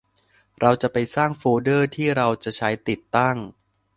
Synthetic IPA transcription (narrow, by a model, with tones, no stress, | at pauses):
ɾa˧wt͡ɕa˨˩pa˧jsaː˥˩ŋfoː˧dɤː˥˩t̪ʰiː˥˩ɾa˧wt͡ɕa˨˩t͡ɕʰa˦˥jt̪i˨˩t̪ːa˥˩ŋ